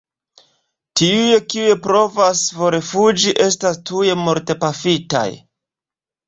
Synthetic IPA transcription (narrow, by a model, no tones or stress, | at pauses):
tiujekiujepɾo̞vasfo̞ɾefud͡ʒiʔe̞stastuje̞mo̞ɾte̞pafita̰j